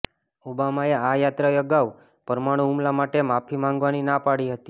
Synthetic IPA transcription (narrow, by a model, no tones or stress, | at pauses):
ubamaeajat̪ɾajəɡaʋ | pəɾmaɽ̃ũumlamaʈemapʰimãŋɡʋaninapaɽiɦət̪i